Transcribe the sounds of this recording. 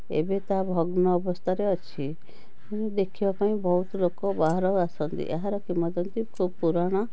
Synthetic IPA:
ḛbet̪abʱɔɡnɔːbɔst̪ʰaɾeɔt͡ʃʰi | d̪ekʰibapaĩbɔɦut̪ɔlokɔbaɦaɾɔɾasɔnt̪ḭʔeɦaɾɔkimɔd̪ɔnt̪ikʰubɔpuɾaɽ̃ɔ

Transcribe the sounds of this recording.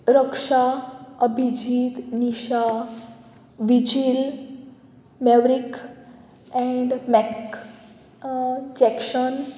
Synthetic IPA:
ɾəkʂaəbʱid͡ʑʱiːt̪niʃa | ʋid͡ʑil | meʋɾik | ɛ̃ɳɖmɛk | d͡ʑɛkʃən

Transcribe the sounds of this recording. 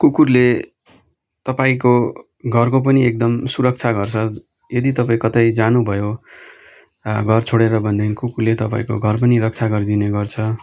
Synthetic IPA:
kukurle | t̪ʌpaĩko | ɡʱʌrkop̬ʌniek̚d̪ʌmsuɾʌk̚t͡sʰaɡʌrt͡sʰʌ | jʌd̪it̪ʌpaĩkʌt̪ʌjd͡zanubʱʌjo | ɡʱʌrt͡sʰoɽeɾʌbʱʌnd̪ʌinkukurlet̪ʌpaĩko̰ɡʱʌrp̬ʌniɾʌk̚t͡sʰaɡʌrd̪ineɡʌrt͡sʰʌ

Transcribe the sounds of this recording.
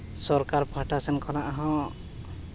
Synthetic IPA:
sɔɾkaɾpaʈasɛnkɔnaʔaɦɔ̃

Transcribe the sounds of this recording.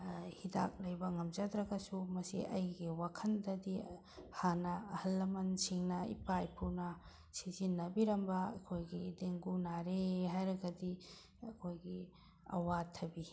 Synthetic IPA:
hida̰k̚lɐjbɐŋɐmzadɾɐɡɐsumɐsḭʔɐjɡiwakʰɐndɐdi | hanɐːhɐlːɐmɐnsiŋnɐḭpajpʰunɐ | sizinːɐbiɾɐmbɐɐkʰojɡideŋɡunaɾeɦajɾɐɡɐdi | ɐkʰojɡi | ɐ̰watʰɐbi

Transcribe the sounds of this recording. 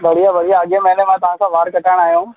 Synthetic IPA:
ʋɐɽ̤ijaʋɐɽ̤ijaːɠjemɛɦlemãt̪ɐʋ̤ãkãʋaːɾkɐʈaːɽ̃aːɦjõː

